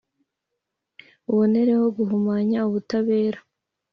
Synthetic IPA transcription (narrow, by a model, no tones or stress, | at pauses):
βone̞ɾe̞ho̞ɡuɦumaːɲauβutaβe̞ːɾḁ